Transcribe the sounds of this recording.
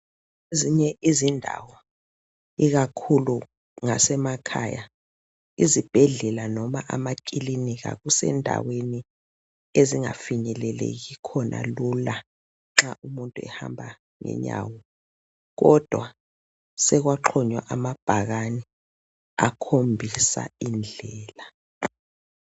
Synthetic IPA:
ziɲɛizindʱa̰wɔ | iɣakʰulu | ŋasɛmakʰa̰ːja | izib̥ʱɛɮɛlanɔma̰ʔamakʼilinik̬a̰ɣusɛ̰ndʱa̰weni | eziŋa̰fiɲɛlɛlḛk̬ikʰɔnʔa̰lula | ŋ͡ǁaʔumuntʼuɛ̰ha̰mbʱa | ŋɛ̰ɲa̰ːwɔ | ɣɔd̥ʱwa | sɛɣ̬waǁʰɔɲwa̰ʔamab̥ʱaɣani | akʰombʱisa̰ind͡ɮʱɛːla

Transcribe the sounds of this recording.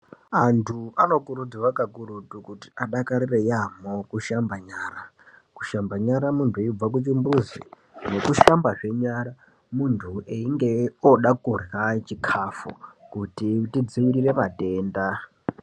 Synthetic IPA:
antʰuano̞kuɾud͡ziwakakuɾutukuti̥aɗakaɾire̞jamokuʃambaɲaːra | ku̥ʃambaɲaɾamuntʰuejob͡vak̬ut͡ʃimbuzḭ | ne̞kuʃambaʐe̞ɲaɾa | muntʰueiŋɡe̞oɗakurjat͡ʃikʰafṵkutitid͡ziiɾire̞mate̞ːnda

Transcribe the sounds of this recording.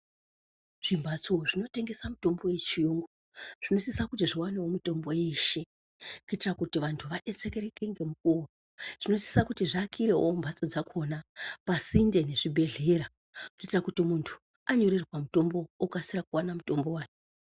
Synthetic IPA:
ʐ̥imbʱat͡so̞ʐino̞te̞ŋɡe̞samuto̞mbo̞je̞t͡ʃijoːŋɡo | ʐ̥ino̞sisakutiʐiwanewo̞muto̞mbo̞iʃe | kuitirakutiʋantʰuʋaɗe̞t͡se̞ke̞ɾe̞ke̞ŋɡe̞mukuwo | ʐ̥inosi̥sakutiʐiakʰiɾe̞wombʱat͡so̞d͡zakʰo̞napasinde̞ne̞ʐibʱe̞ɮeɾa | kuitirakutimuntʰu̥ | aɲo̞ɾerwamuto̞mbo̞ːkasirakuwanamuto̞mbo̞waːke

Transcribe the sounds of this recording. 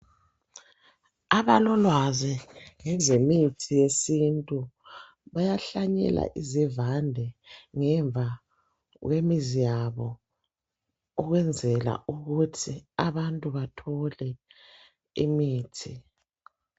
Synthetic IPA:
aβalɔlwaziŋɛzemitʰijesintʼu | βajaɬaɲɛ̰la̰ʔizivandʱɛŋɛɱb̪vʱa | ɣwemizijaβɔ | ɔɣwɛnd͡zʱɛla̰ʔuɣutʰiaβantʼuβatʰɔlɛ | ḭmiːtʰi

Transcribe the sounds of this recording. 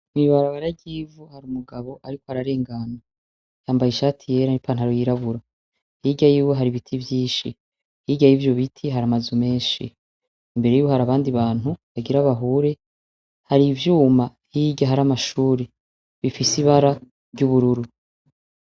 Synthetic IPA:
miβaɾaβaɾaɟiːvuhaɾumuɡaβo̞ʔaɾiko̞haɾaɾe̞ːŋɡana | jaːmbajeʃaːtʰije̞ɾanipʰanhaɾojiɾaβuɾa | hiɟajiweɦaɾiβitʰivjiːʃḭ | hiːɟajivjo̞βitʰiɦaɾamazume̞ːʃḭː | mbe̞ɾe̞juuhaɾaβaːndiβaːn̥huβaɡiɾaβaɦuːɾe̞ | haɾivjuːma | hiːɟaɦaɾamaʃuːɾe | βifisiβaɾa | ɾɟuβuɾuɾu

